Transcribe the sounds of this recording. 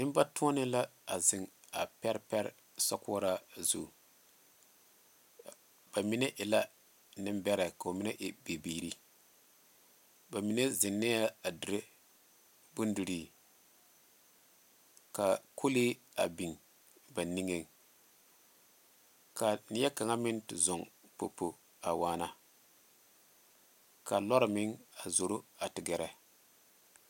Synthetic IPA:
nɪ˦m˦ba˦tʊ̃˦ɔ˦nɪ˦la˦a˨zɪ˨ŋa˨pɛ˦ɾpɛ˦ɾ̰ | sɔ˦kʊ˦ɔ˦ɾa˦zṵ˨ | b̥a˨mi˦ne˦ʔɪ˨la˦ | nɪ˦mbɛ˦ɾɛ˨ka˨o˨mɪ˦nɛ˦ʔɪ˨be˨biː˨ɾi˦ | ba˨mi˦ne˦zɪ˨nːɛ˦a˦a˨di˨ɾe˦ | bu˦ndu˨ɾi˦ | ka˨kʰo˦li˦ | a̰˨bi˨ŋ | ba˨ni˦ŋe˦ŋ | ka˨ni˦ja˦ka˨ŋa˦mɪ˦ntɪ˨zʊ˨ŋpo̰˨po˨ | a̰˨waː˦na˨ | ka˨lɔ˦ɾɪ˨mɪ˦ŋa˨zo˨ɾo˦a˨tɪ˨ɡɛ˨ɾɛ˨

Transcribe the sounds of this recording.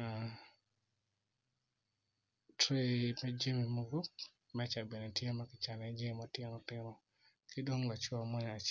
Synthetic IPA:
a | tɾe˦mɛ˦d͡ʒi˦mi˨mo˦ɡo˦ | mɛ˦t͡ʃa˨bɛ˨nɛ˨tjɛ˦ma˦kɪ˨t͡ʃa˨nɛ˨d͡ʒe˦mɔtjɛ˦nɔ˨tɪ˦ɾɔ˨ | kʰɪ˦do˦ŋla˨t͡ʃwɔ˦˨mɔ˦ɲɔ˨a˨t͡ʃ

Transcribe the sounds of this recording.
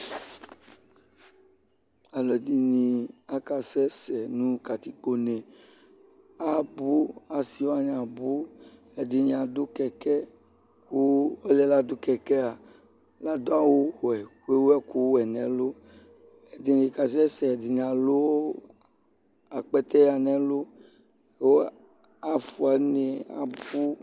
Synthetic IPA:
a˨lɔ˨d̪i˦ɲĩ˨a˦ka˨sɛ˦sɛ˨nũ˦ka˨t̪i˦k͡po˦nɛ˨ | a˦˨bu˦a˨si˦wa˦ɲ˦ã˨bu˦ | ɛ˨de˨ɲ˨ã˨d̪o˦kɛ˨kɛ˦ | ku˦o˦lɛ˨la˦d̪o˦kɛ˨kɛ˦a˨ | la˦d̪o˦a˦wo˦˨ɛ˨ke˦wo˦ɛ˦ku˦wɛ˨nɛ̃˨lo˦ | e˨de˨ne˨ka˨s̬ɛ˦sɛ˨di˨ɲ˨ã˨lo˦wo˦ | a˨k͡pɛ˦t̪ɛ˦ja˨nɛ̃˦lo˦ | e˦wo˦ | a˨fu˨a˨ne˨a̰˨bu˦

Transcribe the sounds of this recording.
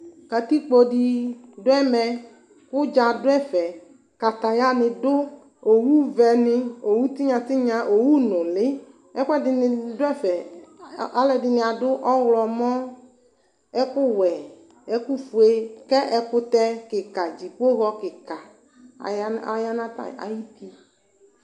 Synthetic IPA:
ka˨t̪i˦k͡po˦di˨dʊ˦ɛ˦mɛ˨ | kʊ˦d͡ʒa˨dʊ˦ɛ˦fɛ˨ | ka˨t̪a˨ja˦nɪ̃˨dʊ˦ | o˨wu˦vɛ˨nɪ̃˦o˨wu˦t̪i˦ɲã˨t̪ɪ˦ɲã˨ʔo˨wu˦nʊ̃˨lɪ˦ | ɛ˦kʊ˦ɛ˦dɪ˨n˨dʊ˦ɛ˦fɛ˨ | a˦lɛ˨dɪ˨nɪ̃˨a˨dʊ˦ʔɔ˦wlɔ˨mɔ̃˦ | ɛ˦kʊ˦wɛ˨ | ɛ˦ku˦fu˨e˦kɛ˦ʔɛ˨kʊ˦t̪ɛ˦kɪ˨ka˨d͡ʒi˨k͡po˦ɣɔ˦kɪ˨ka˨˦ | a˨ja˦nã˦ta̰˨a̰˨ji˦t̪i˦

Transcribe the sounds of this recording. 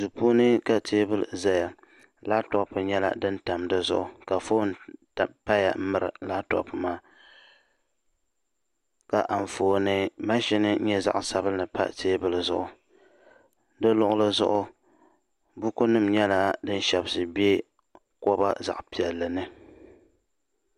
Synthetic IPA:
zu˨pu˦nɨ˦ka˦˨tʰeː˦bɨ˦lza˦ja˨ | la˦tɔ˦pːɨ˨ɲɛ˦la̰˨dɨ˦n̩˦ta˨mdɨ˦zʊ̰˦ʔʊ˨ka˨fo˦n˨ | pa˦ja̰˨˦mɨ˨ɾɨ̰˨la˦tɔ̰˦pɨ˨maː˦ | ka˨ʔa˨ɱ˨foː˨nɨ˦ma˦ʃi˦nɨ˦ɲɛ˦za̰˦˨ʔsa˨˦bɨ˦lnɨ˨pa̰˦teː˦bɨ˦lɨ˨zʊ̰˦ʔʊ˨ | dɨ˦lʊ˦ʔʊ˦lɨ˦zʊ̰˦ʔʊ˦ | bu˦ko˦nɨ˦mɲɛ˦la˦dɨ˦n˦ʃɛ˨bsɨ˨bi˦e˦ | kɔ˦ba˦za̰˨ʔpi˨ɛ˨lːɨ˨nɨ˦

